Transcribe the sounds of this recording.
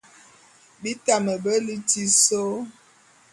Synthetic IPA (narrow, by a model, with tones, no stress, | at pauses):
bi˦ta˨mə˨bə˦li˦ti˦so˦